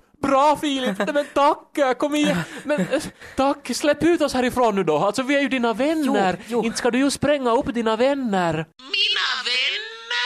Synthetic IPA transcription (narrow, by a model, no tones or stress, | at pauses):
bɾɑːfiːlɪp̪ɛmɛnt̪ʰakːkʰɔmːɪmɛnt̪ʰakːslɛpːʉ̟ːt̪ɔshæːɾɪfɾoːnːʉːd̪ɔalt̪sɔvɪæɾjɵd̪iːnavɛnːəɾɪnt̪skad̪ɵjʊspɾɛŋːaɵpːd̪iːnavɛnːəɾ | maɛn